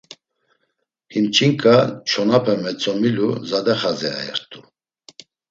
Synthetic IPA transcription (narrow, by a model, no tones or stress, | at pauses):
hint͡ʃʰiŋkʼat͡ʃʰɔnapʰɛmɛt͡sʼɔmilṵzad̪ɛχazɛa̰ɛ̰ɾt̪ʰʼu